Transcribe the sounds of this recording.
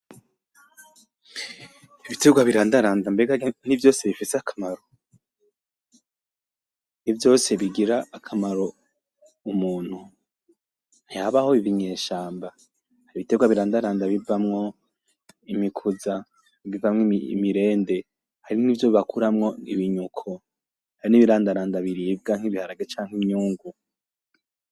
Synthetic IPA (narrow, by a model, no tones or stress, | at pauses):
iβiteɡwaβiɾaːndaɾaːndambe̞ɡaɡnivjo̞ːse̞βifiseakʰḁmaɾo̞ | nivjo̞ːse̞βiɡiɾaːkʰamaɾo̞ | umuːn̥hu | haβaho̞iviɲe̞ːʃaːmba | haɾiβiteɡwaβiɾaːndaɾaːndaβivamŋo̞ | imikʰuza | βivamŋḭmiɾe̞ːnde̞ | haɾiniːvjoβiβakʰuɾamŋo̞ḭβiɲukʰo | haɾiniβiɾaːndaɾaːndaβiɾiːb̚ɡaŋ̥hiβihaɾaɡet͡ʃaːŋ̥himɲuːŋɡu